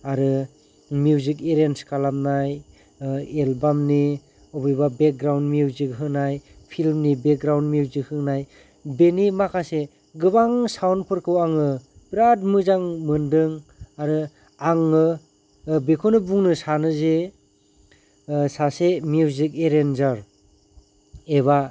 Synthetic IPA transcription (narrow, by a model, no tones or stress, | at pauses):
aɾɯ | miuwzikeɾenskalap̚naj | elbamni | ɔbɯjbabek̚ɡɾawnmiuwzik̚ɦɯnajpʰilmnibek̚ɡɾawndmiuwzik̚hɯŋnaj | benimakʰase | ɡɯβaŋsawnpʰɯɾkʰɯwaŋɯ | bɾat̚mɯzaŋmɯndɯŋaɾɯ | aŋɯ | bekʰonɯbuŋnɯsanɯze | sasemiuwzik̚eɾenzaɾ | eβa